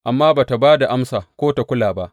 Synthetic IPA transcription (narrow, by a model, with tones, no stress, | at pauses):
ʔa˨mːaː˦baː˨ta˨baː˦da˨ʔa˦msaː˨kʷoː˦ta˨kʷʊ˦laː˨ba˦ʔ